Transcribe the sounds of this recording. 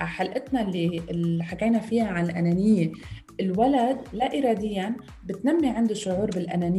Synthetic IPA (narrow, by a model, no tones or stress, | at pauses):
ħalʔɪt̪nalːilħakeːnafiːaʕanɪlʔananɪjːeʔɪlwalad̪laʔɪɾˤɑːd̪ɪjːan | bɪt̪namːiʕɪnd̪ɪʃːʊʕuːɾbɪlʔa̰nanɪ